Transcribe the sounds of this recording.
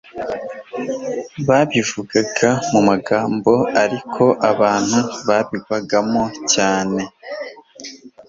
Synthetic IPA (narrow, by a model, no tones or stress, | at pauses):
βaβivuɡaɡamumaɡaːmbo̞aɾikʰo̞ʔaβaːn̥huβaβiɡaɡamo̞caːne̞